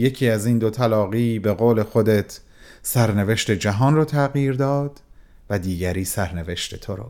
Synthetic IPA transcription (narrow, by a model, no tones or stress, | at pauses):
je̞cʰiːæziːnd̪ot̪ʰælɒːɣiːbe̞ɣoːle̞xo̞d̪e̞t̪ʰ | sæɾne̞ve̞ʃt̪e̞d͡ʒæɦɒːnrɒːt̪ʰæɣjiːɾd̪ɒːd̪̥ | væd̪iːɟæɾiːsæɾne̞ve̞ʃt̪e̞t̪ʰoɾo̰